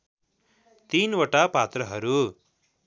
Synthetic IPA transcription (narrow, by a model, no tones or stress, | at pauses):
t̪inwʌʈapat̪rʌɦʌɾu